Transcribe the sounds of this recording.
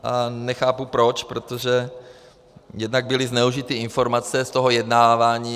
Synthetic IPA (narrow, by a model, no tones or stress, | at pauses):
ʔanɛxaːpupɾo̞t͡ʃpɾot̪oʒɛ | jɛdnaɡ̚bɪlɪznɛuʒɪt̪iɪnfo̞ɾmat͡sɛst̪o̞ɦo̞jɛdnaːvaːɲiː